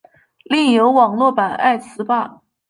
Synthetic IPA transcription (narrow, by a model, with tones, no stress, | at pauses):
li˥˩ŋjo˧˥ʊwɑ˨˩ŋlwɔ˥˩pa˨˩na̰˥˩ɪsɹ̩˧˥pa˥˩